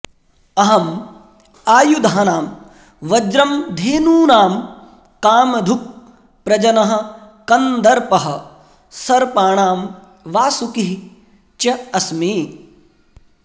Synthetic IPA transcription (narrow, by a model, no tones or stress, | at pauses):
ɐɦɐm | aːjud̪ʱaːɐnaːm | ʋɐd͡ʒɾɐmd̪ʱeːnuːnaːm | kaːmɐd̪ʱup̚ | pːɾɐd͡ʒɐnɐɦɐ̆ | kɐnd̪ɐɾpɐɦɐ̆ | sɐɾpaːɳaːm | ʋaːsukiɦ | t͡ʃɐɐsmiː